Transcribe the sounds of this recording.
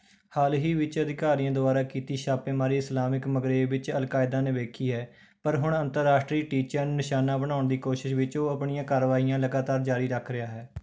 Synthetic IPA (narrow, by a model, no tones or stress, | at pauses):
haːlɦiːʋɪt͡ʃəd̪ɪkaːɾijãːd̪ʊbaːɾaːkiːt̪iːʃaːpeːmaːɾiːɪslaːmɪkməɡɾeːʋɪt͡ʃəlkaːɪd̪aːneːʋeːkʰiːɦɛː | pəɾɦʊɳənt̪əɾːaːʃʈɾiːʈiːt͡ʃəɾnɪʃaːnaːbəɽ̃aːʊɳd̪iːkoːʃɪʃʋɪt͡ʃoːəpɳijãːkaːɾəʋaːiːjãːləɡaːt̪aːɾd͡ʒaːɾiːɾəkʰɾɪjaːɦɛː